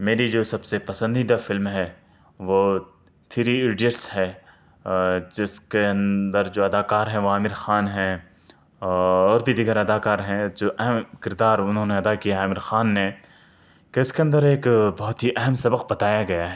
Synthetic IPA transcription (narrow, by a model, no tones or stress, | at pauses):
meːɾid͡ʒoːsɐbsepɐsə̃nd̪iːd̪afɪlmɦɛ | ʋoː | t̪ʰiːɾiɪɖiəʈsɦɛː | d͡ʒɪskeɐ̃nd̪əɾd͡ʒoːɐd̪aːkaːɾɦɛ̃ʋoaːmɪɾxaːnɦɛ̃ | ɔːɾbʱid̪iɡəɾɐd̪aːkaːɾɦɛ̃d͡ʒoːʔɛɦɛmkɪɾd̪aːɾʊnɦõːneɐd̪akijaɦɛaːmɪɾxaːnːe | keɪskeɐ̃nd̪əɾeːkbɔɦt̪ɦiʔɛɦəmsɐbəqbɐt̪aːjaɡɐjaɦɛ